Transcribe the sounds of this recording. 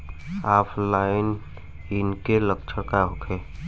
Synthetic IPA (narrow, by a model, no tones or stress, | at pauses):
aːpʰlaːɪn | ɪnkeləkt͡ʃʰəkaɦokʰeː